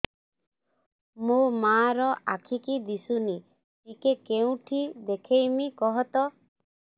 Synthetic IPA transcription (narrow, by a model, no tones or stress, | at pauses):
mumaɾɔʔakʰikid̪isuni | tikekeũʈʰid̪ekʰejmikɔɦɔt̪ɔ